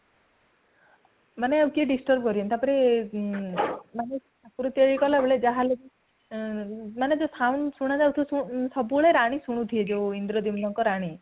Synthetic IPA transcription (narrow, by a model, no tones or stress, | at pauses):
maneawkieɖisʈɔɾb̚kɔɾiɔnt̪apɔɾe | manesʰakuɾut̪eɭikɔlabeɭed͡ʒaɦalebi | maned͡ʒosʰawnsuɽ̃ad͡ʒawt̪ʰususɔbuɭeɾaɽ̃isuɽ̃ut̪ʰied͡ʒewind̪ɾɔd̪imlɔŋkɔɾaɽ̃i